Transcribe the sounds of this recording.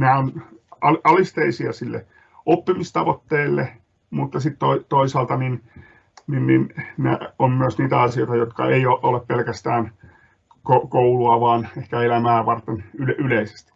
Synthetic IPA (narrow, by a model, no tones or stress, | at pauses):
næːonɑlɑlist̪eisiɑsilːḛ | opːimist̪ɑʋot̪ːeːlːe | mut̪ːɑsit̪t̪oit̪oisɑːlt̪ɑnin | ninːinnḛommyøsniːt̪æɑsijoit̪ɑjot̪kɑ̰eioʔoleppelkæst̪æːn | kokouluɑʋɑːnehkæelæmæːʋɑrt̪enylyleise̥st̪i̥